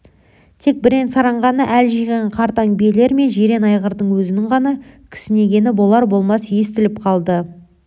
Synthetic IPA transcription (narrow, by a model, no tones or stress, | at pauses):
t̪ʰe̞k̚bɪɾe̞nsɑɾɑɴʁɑnəʔælʒijʁeɴqʰɑɾt̪ɑŋbiele̞ɾme̞nʒe̞ɾe̞nɑjʁəɾd̪əɴwɵzɪnɪɴʁɑnɑkʲʰɪ̥sɪne̞ɡʲe̞nɪbo̞lˠɑɾbo̞lˠmɑsje̞st̪ɪlɪp̚qʰɑlˠd̪ə